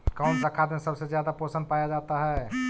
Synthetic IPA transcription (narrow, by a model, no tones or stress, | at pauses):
kamsakʰːat̪mẽsəbsezjad̪aposə̃nd̚pajad͡ʒat̪aɦɛ